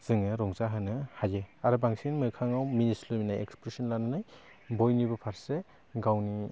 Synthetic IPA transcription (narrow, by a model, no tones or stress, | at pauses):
z̥ɯŋɯɾɔŋzaɦɯnɯhajeaɾɯbaŋsinmɯkʰaŋawminisluminajḛkspɾesɔnlanɯnaj | bɔjnibɯpʰaɾse | ɡawni